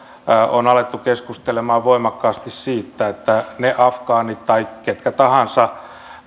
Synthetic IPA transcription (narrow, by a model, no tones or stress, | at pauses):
onɑlet̪ːukeskust̪elemɑːʋʋoimɑkːɑːst̪issiːt̪ːæet̪ːæneʔɑfkɑːnit̪t̪ɑikket̪kæt̪ɑhɑnsɑ